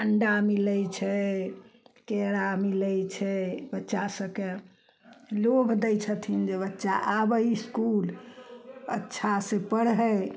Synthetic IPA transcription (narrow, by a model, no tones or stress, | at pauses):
əɳɖamilət͡ʃʰɛ | keɾamiləjt͡ʃʰɛbətːʃasəbke | lobʱd̪ɛjt͡ʃʰət̪ʰind͡ʒebətːʃaʔabəiskul | ə̰tːʃʰasẽpəɽɦə